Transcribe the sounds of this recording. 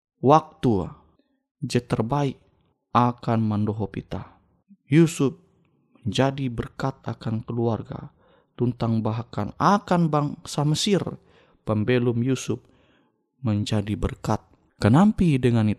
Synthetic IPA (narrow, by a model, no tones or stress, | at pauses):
wak̚t̪ṵ | d͡ʒɛt̪ərbaik̚ | akanmandɔɦɔpḭt̪a | jusʊp̚ | məɲd͡ʒadibərkat̪̚akankəluarɡa̰ | t̪unt̪aŋbaɦaka̰nakanbaŋsaməsir | pəmbɛlumjusʊp̚ | məɲd͡ʒadibərkat̪̚ | kənampidəŋani